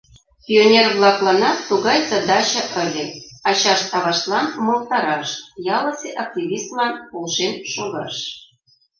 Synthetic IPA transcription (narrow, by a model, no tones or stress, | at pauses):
pʲionʲerβlˠɑklɑnɑt̪ːuɣɑjt͡sə̆d̪ɑt͡ɕə̆ʔə̆lʲĕɑt͡ɕɑʃt̪ɑβɑʃt̪lˠɑnmol̚t̪ɑɾɑʃjɑlˠɤ̆seʔɑk̚tʲiβʲist̪lɑnpolʃenʃoɣɑ̰ʃ